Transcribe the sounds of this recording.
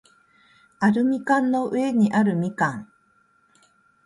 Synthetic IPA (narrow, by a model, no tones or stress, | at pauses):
aɾɯ̟mʲikãnːo̞ʔɯe̞ɲ̟iʔaɾɯ̟mʲikãŋ